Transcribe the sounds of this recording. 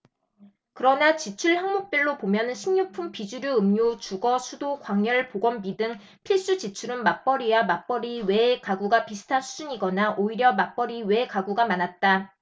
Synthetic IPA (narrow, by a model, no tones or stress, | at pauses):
kɯɾʌnat͡ɕit͡ɕʰuɭhaŋmok̚p͈iɭːopomjʌnɯnɕʰimɲupʰumpid͡ʑuɾjoɯmɲut͡ɕuɡʌsʰudokwaŋjʌɭpoɡwʌmbidɯŋ | pʰiɭs͈ut͡ɕit͡ɕʰuɾɯnmap͈ʌɾiwamap͈ʌɾiwe̞kaɡuɡapisʰɯ̥tʰasʰud͡ʑuɲiɡʌnaʔoiɾjʌmap͈ʌɾiwe̞kaɡuɡamanat̚t͈a